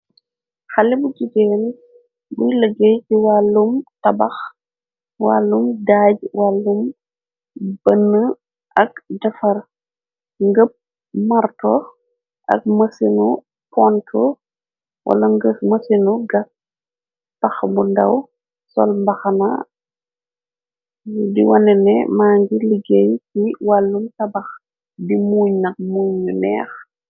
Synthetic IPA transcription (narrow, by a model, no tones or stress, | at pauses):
xɐlibuɟiɡɛːn | bujləɡəjciwalːumtɐbɐx | walːumdaːɟwalːum | b̥ənːə | ʔɐk̚dɐfɐr | ŋɡəp̚ | mɐɾtɔ | ʔɐ̰k̚mɐsinu | pɔntʰɔ | wʔa̰lɐŋɡəmɐsinuɡɐt̚ | tɐxbundɐw | sɔ̰lmbɐxɐna̰ | diwɐnɛnɛmaːŋɡiliɡejkiwalːuntɐbɐx | dimuːɲnɐk̚muɲːunɛ̰ːx